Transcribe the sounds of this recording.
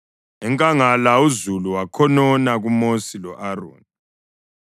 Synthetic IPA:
ɛŋkʼaŋalauzuluwakʰɔnɔnaɣumosilɔʔaro̰ːni

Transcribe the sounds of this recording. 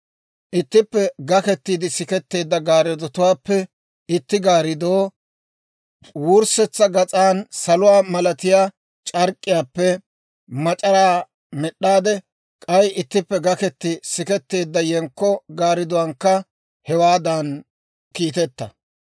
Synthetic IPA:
ʔɪt̪ːɪpːɛɡɐkɛt̪ːiːd̪ɪsɪkɛt̪ːe̞ːd̪ːɐɡaːɾɛd̪ɔt̪ʊwaːpːɛ | ɪt̪ːɪɡaːɾɪd̪oː | wʊɾsɛt͡sːɐɡɐt͡sʼaːnsɐlʊwaːmɐlɐt̪ɪjaː | t͡ʃʼɐɾkʼːɪjaːpːɛ | mɐt͡ʃʼɐɾaː | mɛɗːaːd̪ɛ | kʼɐjɪt̪ːɪpːɛɡɐkɛt̪ːɪsɪkɛt̪ːe̞ːd̪ːɐjɛŋkːɔɡaːɾɪd̪ʊwɐŋkːɐ | hɛwaːd̪an | kiːt̪ɛt̪ːɐ

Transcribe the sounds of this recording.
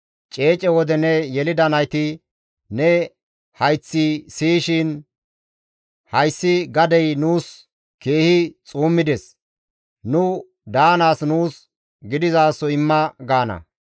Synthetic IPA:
t͡ʃʼe̞ːt͡ʃʼɛwɔd̪ɛnɛjɛlɪd̪ɐnɐjt̪ɪ | nɛ | hɐjt͡sːisiːʃɪn | hɐjsːɪɡɐd̪ɛjnuːs | ke̞ːhɪt͡sʼuːmːɪd̪ɛs | nʊ | d̪aːnaːsnuːs | ɡɪd̪ɪzaːsːɔɪmːɐɡaːnɐ̰

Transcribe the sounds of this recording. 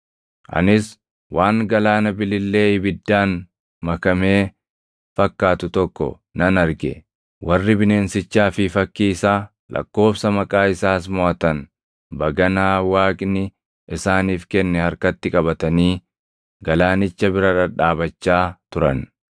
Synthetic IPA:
ʔɐ̰nɪs | waːŋɡɐlaːnɐbɪlɪlːe̞ːɪbɪd̪ːaːn | mɐkɐme̞ː | fɐkːaːt̪ʊt̪ɔkːɔ̰ | nɐnɐɾɡɛ̰ | wɐrːɪbɪne̞ːnsɪt͡ʃːaːfɪfɐkːiːsaː | lʔɐ̰kːo̞ːfsɐmɐkʼaːɪsaːs̬mɔʔɐt̪ɐn | bɐɡɐnaːwaːkʼnɪ | ʔɪsaːniːfkɛnːɛhɐɾkɐt̪ːɪkʼɐbɐt̪ɐniː | ɡɐlaːnɪt͡ʃːɐbɪɾɐᶑɐᶑaːbɐt͡ʃːaːt̪ʊɾɐn

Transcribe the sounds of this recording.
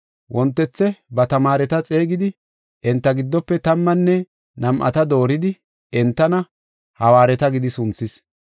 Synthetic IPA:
wʔɔnt̪ːɛt͡sːɛbɐt̪ɐmaːɾɛt̪ɐt͡sʼe̞ːɡɪd̪ɪ | ʔɛnt̪ːɐɡɪd̪ːɔpːɛt̪ɐmːɐnːɛ | nɐmʔɐ̰t̪ɐd̪o̞ːɾɪd̪ɪ | ɛnt̪ːɐnɐ | hɐwaːɾɛt̪ɐɡɪd̪ɪsʊnt͡sːɪs

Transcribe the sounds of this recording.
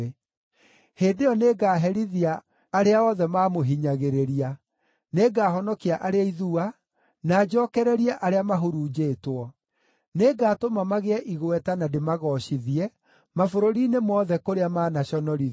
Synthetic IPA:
heːdejɔneːɡaːɦɛɾiðiaː | ɾeaɔðɛmaːmoɦiɲaɣeɾeɾia | neːɡaːɦɔnɔkiaʔaɾeaiðua | naːd͡ʒɔːkɛɾɛɾiɛʔaɾeamaɦoɾuːd͡ʒeːtwɔ | neɡaːtomamaɣeɛʔiɣwɛtanademaɣɔɕiðiɛ | mafoɾoɾinemɔðɛkoɾeamaːnaɕɔnɔɾi

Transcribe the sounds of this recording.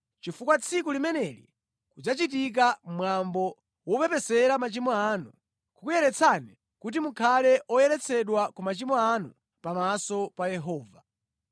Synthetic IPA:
t͡ʃifukwat͡sʰikulimɛnɛlḭ | kud͡zat͡ʃit̬ik̬amwambɔ | wɔpɛpɛsɛɾamat͡ʃimɔaːnu | kukujɛɾɛt͡sʰani | kut̬imukʰalɛʔɔjɛɾɛt͡sʰɛɗwakumat͡ʃimɔanu | pamasɔpajɛɦɔːva

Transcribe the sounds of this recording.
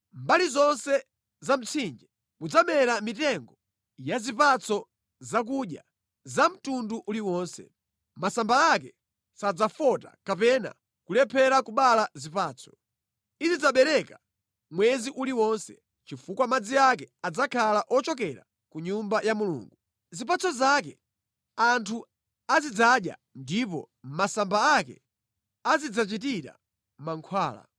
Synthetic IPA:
mbalizɔnsɛ | zam̩t͡sʰind͡ʒɛ | mud͡zamɛɾamitɛŋɡɔ | jazipat͡sɔ | zak̬uɗja̰ | zam̩tunduʔuliwɔːnsɛ̰ | masambaak̬ɛ | sad͡zafɔtakapɛna̰ | kulɛpʰɛɾakuɓalazipaːt͡sʰɔ̥ | izid͡zaɓɛɾɛka | mwɛziʔuliwɔnsɛ̰ | t͡ʃifukwamad͡ziak̬ɛad͡zakʰalaʔɔt͡ʃɔk̬ɛɾa̰ | kuɲumbajamulṵːŋɡu | zip̬at͡sɔzak̬ɛ̰ | antʰu | azid͡zaɗja̰ndip̬ɔ̰ | masambaakɛ̰ | azid͡zat͡ʃit̬iɾa̰ | maŋkʰwaːla̰

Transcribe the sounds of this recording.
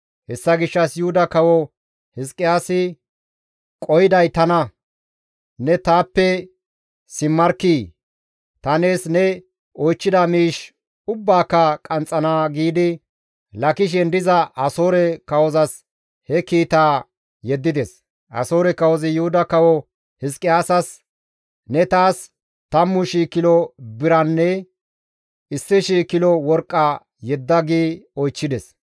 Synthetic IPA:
hɛsːɐɡɪʃːɐsjʊhʊd̪ɐkɐwɔ | hɪskʼːɪjaːsɪ | kʼɔjɪd̪ɐjt̪ɐnɐ | nɛt̪aːpːɛ | sɪmːɐɾkːiː | t̪ɐneːsnɛ | ɔjt͡ʃːɪd̪ɐmiːʃ | ʊbːaːkːɐkʼɐnt͡sʼːɐnaːɡiːd̪ɪ | lɐkɪʃ̬ɛnd̪ɪzɐʔɐso̞ːɾɛkɐwɔzɐs | hɛkiːt̪aː | jɛd̪ːɪd̪ɛs | ʔɐ̰so̞ːɾɛkɐwɔzɪjʊhʊd̪ɐkɐwɔ | hɪskʼɪaːsɐs | nɛt̪aːs | t̪ɐmːʊʃiːkːɪlɔbɪɾɐnːɛ | ɪsːɪʃiːkːɪlɔwɔɾkʼːɐ | jɛd̪ːɐɡiːɔjt͡ʃːɪd̪ɛs

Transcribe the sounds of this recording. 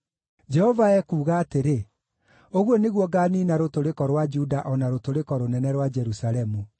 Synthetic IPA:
d͡ʒɛhɔvaɛkuːɣaːteɾe | oɣwɔneɣwɔɡaːniːnaɾotoɾekɔɾwad͡ʒudaʔɔnaɾotoɾekɔɾonɛnɛɾwad͡ʒɛɾusaɾɛmu

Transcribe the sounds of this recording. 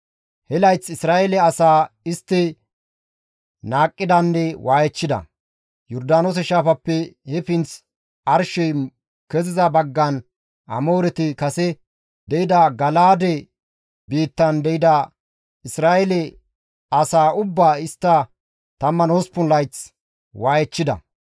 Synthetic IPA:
hɛlɐjt͡sɪsɾaːʔɛlɛɐsaːɪst̪ːɪ | naːkʼːɪd̪ɐnːɛwʔaːjɛt͡ʃːɪd̪ɐ̰ | jɔɾd̪aːnoːs̬ɛʃaːfɐpːɛhɛfɪnt͡s | ɐɾʃɔj | kɛzɪzɐbɐɡːɐn | ɐ̰moːɾɛt̪ɪkɐsɛ | d̪ɛʔɪd̪ɐɡɐlaːd̪ɛ | biːt̪ːɐnd̪ɛjɪd̪ɐ | ɪsɾaːʔɛlɛ | ɐsaːʊbːaːɪst̪ːɐ | t̪ɐmːɐnoːspʊnlɐjt͡s | waːjɛt͡ʃːɪd̪ɐ̰

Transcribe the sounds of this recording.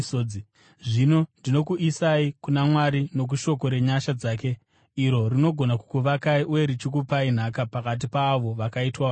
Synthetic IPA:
oi | ʐino̞ndino̞kuʔisaikunamwaɾino̞k̬uʃo̞k̬o̞ɾe̞ɲaʃad͡zaːke̞ | iɾo̞rino̞ɡʱonaku̥kuʋakaiʔuje̞ɾit͡ʃik̬upain̤akapakat̬ipaːʋo̞ʋakaitwa

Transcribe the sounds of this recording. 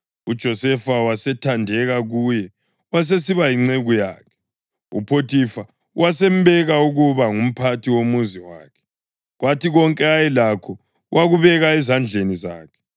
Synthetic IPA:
ud̥ʒ̥ʱɔsɛfawasɛtʰandʱɛɣaɣujɛ | was̬esiβajiŋ͡ǀeɣuja̰ːkʰɛ̥ | ṵpʰotʰifa | wasɛm̩bɛɣauɣuβaŋum̩pʰatʰiwomuziwaːkʰɛ̥ | ɣwatʰiɣɔŋkʼɛajɛlakʰɔ | wʔaɣuβɛɣaɛzand͡ɮʱeniza̰ːkʰɛ̥

